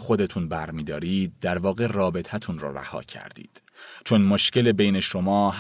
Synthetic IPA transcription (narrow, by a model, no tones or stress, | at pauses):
xo̞d̪e̞t̪ʰunbæɾmiːd̪ɒːɾiːd̪̚ːæɾvɒːɣe̞rɒːbe̞t̪ʰæt̪ʰunrɒ̰ːɾæ̰hɒ̰ːcʰæ̰ɾd̪ḭːd̪̥ | t͡ʃʰonmoʃce̞lebejne̞ʃo̞mɒːɦ